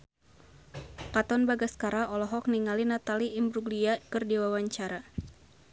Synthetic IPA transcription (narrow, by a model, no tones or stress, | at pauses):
kat̪ɔnbaɡaskaɾaɔlɔɦɔk̚niŋalinat̪aliːmbɾuɡliakɨrdiwawaɲt͡ʃaɾa